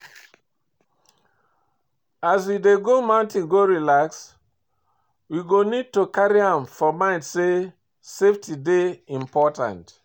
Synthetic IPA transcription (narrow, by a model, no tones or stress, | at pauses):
azwideɡomãʊ̃ntĩŋɡoɹilaks | wiɡonid̚tokaɾiãmfɔmãɪ̃ntse | seftʰideĩmpɔtã̰nt